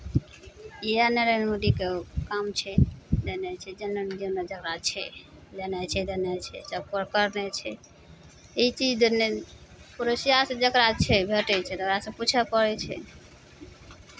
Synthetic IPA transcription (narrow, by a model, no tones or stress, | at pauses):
ianeɾənmoɖikekamt͡ʃʰɛd̪enɛt͡ʃʰɛd͡ʒənːənd̪ined͡ʒəkɾat͡ʃʰɛ | lenɛt͡ʃʰɛd̪enɛt͡ʃʰɛ̰t͡ʃapəɾkəɾnet͡ʃʰɛ | eit͡ʃid͡ʒd̪nepuɾəsijasẽd͡ʒəkɾat͡ʃʰɛbʱeʈɛt͡ʃʰɛt̪əɾasẽput͡ʃʰɛpəɾɛt͡ʃʰɛ̰